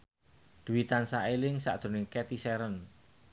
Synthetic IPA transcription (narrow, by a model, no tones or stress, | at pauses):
d̪̥ṳwit̪ansaʔelɪŋsa̰ʔd̪̥o̤nɪkɛt̪isɛɾən